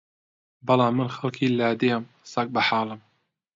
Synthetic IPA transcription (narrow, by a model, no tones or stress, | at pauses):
bɨlɑːmːɨnxɐlˠkʰiːlaːd̪ijam | sɐk̚bɐħaːlˠɨm